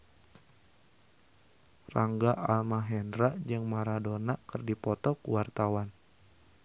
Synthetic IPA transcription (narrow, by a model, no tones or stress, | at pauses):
raŋɡaʔalmaɦɛndɾad͡ʒɨŋmaɾadonakɨrdipɔt̪ɔkuwart̪awan